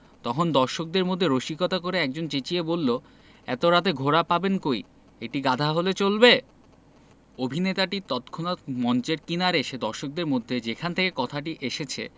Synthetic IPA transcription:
t̪ɔkʰond̪ɔɾʃok̚d̪eɾmod̪ʱːeɾoʃikot̪akoɾeɛk̚d͡ʑont͡ɕet͡ɕiebolːo | ɛ̰t̪oɾat̪eɡʱoɾapabenkoi | eʈiɡad̪ʱaɦolet͡ɕolbe | obʱinet̪aʈit̪ɔt̪kʰonat̪mɔnt͡ɕeɾkinaɾeʃed̪ɔɾʃok̚d̪eɾmod̪ʱːed͡ʑekʰant̪ʰekekɔt̪ʰaʈ̬iʔeʃet͡ɕʰḛ

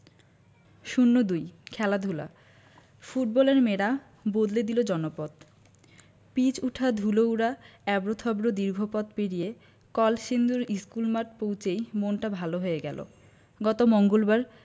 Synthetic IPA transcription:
ʃunːod̪ujkʰɛlad̪ʱula̰ | fuʈ̚bɔleɾmeɾa | bod̪led̪ilod͡ʑɔnopɔd̪ | pit͡ɕuʈʰad̪ʱulowɾaɛbɾot̪ʰɔbɾod̪iɾɡʱopɔt̪peɽije | kɔlʃind̪uɾiskulmaʈ̚powt͡ɕejmonʈabʱaloɦoeɡɛ̰lʔo̰ | ɡɔt̪omoŋɡolbaɾ

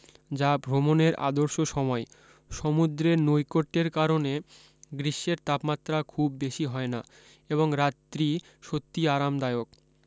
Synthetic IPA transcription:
d͡ʑabʱɾomoneɾa̰d̪oɾʃoʃɔmɔe | ʃɔmud̪ɾenojkoʈːeɾkaɾone | ɡɾiʃːeɾt̪apmat̪ːɾakʰubːeʃiɦɔena | eβoŋɾatːɾi | ʃot̪ːiaɾamd̪aeok̚

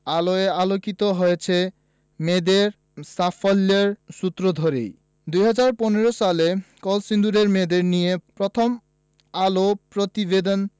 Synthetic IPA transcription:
aloealokit̪oɦojet͡ɕʰe | med̪eɾ | safʰɔlːeɾsut̪ːɾod̪ʱɔɾḛj | d̪ujɦad͡ʑaɾpɔneɾosalekɔlsind̪uɾeɾmed̪eɾnijepɾɔt̪ʰɔm | alopɾot̪ibed̪ɔn

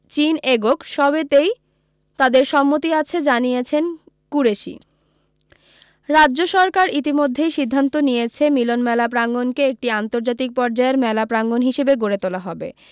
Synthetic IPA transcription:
t͡ɕineɡokʃɔbet̪ej | t̪ad̪eɾʃɔmːot̪iat͡ɕʰed͡ʑanijet͡ɕʰen | kuɾeʃḭ | ɾadːʑoʃɔɾkaɾit̪̬imod̪ʱːejʃid̪ʱːant̪onijet͡ɕʰemilonmɛlap̬ɾaŋɡonkeek̚ʈiant̪oɾd͡ʑat̪ik̚pɔɾd͡ʑaeɾmɛlapɾaŋɡonɦiʃebeɡoɾet̪olaɦɔbḛ

